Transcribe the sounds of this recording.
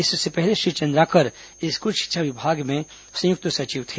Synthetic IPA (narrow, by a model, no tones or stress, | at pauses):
ɪssepɛɦleʃit͡ʃɐ̃nd̪ɾakəɾ | ɪskʊt͡ʃʃɪ̥tːʃʰaʋɪbʱaːɡmẽ | sɐ̃jʊk̚t̪əsɐt͡ʃiʋt̪ʰe